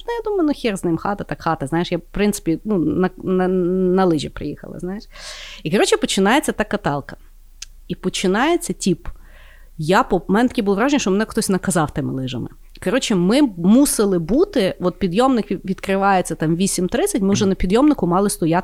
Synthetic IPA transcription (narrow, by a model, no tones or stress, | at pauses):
nɛjad̪umɐjʊnʊxʲirznɪmxɑt̪ɐt̪ɑkxɑt̪ɐznɑjɪʃjapɾɪntsɪ̥pʲinunɐnɐnɐlˠɪʒʲipɾɪ̰jixɐ̰lˠɐ̰znɑjeʃikɔɾɔt͡ʃɪpɔt͡ʃɪnɑjet͡sʲːɐt̪ɑkɐt̪ɑlˠkɐ | ipɔt͡ʃɪnɑjet͡sʲːɐtʲip | japɔmɛnɛt̪ɐkʲibulˠɔʋɾɑʒenʲiʃt͡ʃɔmenɛxt̪ɔsʲnɐkɐzɑwt̪ɪmɪ̰lˠɪʒɐ̰mɪ̰ | kɔɾɔt͡ʃɪmɪmusɪlˠɪbut̪ɪɔt̪̚pʲid̪jɔmnɪkʋʲid̪kɾɪʋɑjet͡sʲːɐt̪ɑmʋʲisʲimt̪ɾɪt͡sʲːɐtʲmɪwʒɛnɐpʲid̪jɔmnɪkʊmɑlˠɪst̪ɔjat̪